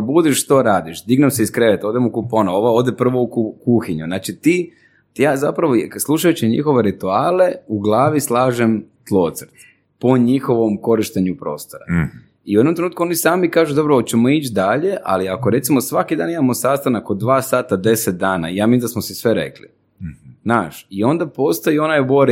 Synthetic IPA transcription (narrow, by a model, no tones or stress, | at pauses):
bud̪iʃt̪oɾaːd̪iʃd̪iɡnamseiskɾeʋet̪o̞ːd̪emukuponoo̞ʋao̞ːd̪epr̩ʋoukukuxiɲunaːt͡ʃit̪iː | jaːza̰pɾaʋoslˠuʃajut͡ɕiɲḭxo̞ʋe̞ɾit̪uaːle̞uɡlˠaːʋislˠaːʒemt̪lˠo̞ːt̪səɾt̪ | poɲixo̞ʋo̞mko̞ɾiʃt̪eɲupɾo̞ːst̪oɾa̰ | iued̪nomt̪ɾenut̪kuo̞nisaːmikaːʒud̪o̞bɾot͡ɕemo̞it͡ʃd̪aʎe̞ʔa̰liako̞ɾe̞t̪simo̞sʋakid̪aːnimamo̞saːst̪anakod̪ʋaːsaːt̪ad̪e̞set̪̚d̪aːna̰ijaːmiid̪asmosisʋe̞ɾḛklḭ | naːʃio̞nd̪apo̞st̪ojio̞najboɾ